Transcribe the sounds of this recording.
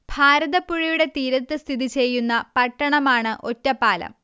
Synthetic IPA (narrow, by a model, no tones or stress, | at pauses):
b̥ʱaːɾɐðɐpːuɻijuɽe̞t̪iːɾɐt̪ːɨst̪ʰiðit͡ɕe̞jːunːɐpɐʈːɐɳɐmaːɳɨʔo̞tːɐpːaːlɐ̰m